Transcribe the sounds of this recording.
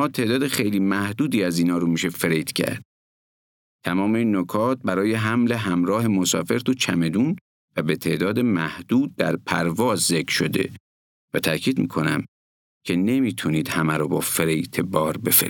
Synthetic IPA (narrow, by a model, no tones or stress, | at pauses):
ɒːt̪ʰe̞ʔd̪ɒːd̪exejliːmæhd̪uːd̪iːæziːnɒːɾomiːʃe̞feɾejt̪ʰcʰæ̰ɾd̪̥̚ | t̪ʰæmɒːmeinːokʰɒːt̪̚bæɾɒːje̞ɦæmle̞ɦæmɾɒːɦe̞mosɒ̰ːfe̞ɾt̪ut͡ʃʰæme̞d̪uːn | væbe̞t̪ʰe̞ːʔd̪ɒːd̪emæhd̪̥uːd̪̚ːæ̰ɾpʰæ̰ɾvɒːzzekɾ̥ʃo̞d̪e̞̰ | væt̪ʰæcʰiːd̪mḭːkʰo̞næ̰m | kʰe̞ne̞miːt̪ʰuniːd̪̥hæmæɾobɒːfeɾejt̪ʰebɒːɾbe̞fḛ